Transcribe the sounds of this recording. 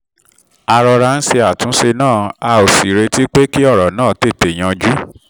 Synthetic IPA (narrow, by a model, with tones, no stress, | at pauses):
a˧ɾɔ˧ɾa˧n̩˦se˧a˨tũ˨˦se˧nãː˦˨a˧o˨si˨ɾe˧ti˦k͡pe˦ki˦ɔ˦˨ɾɔ˨nãː˦˨te˦˨te˨j̃ã˧d͡ʒu˦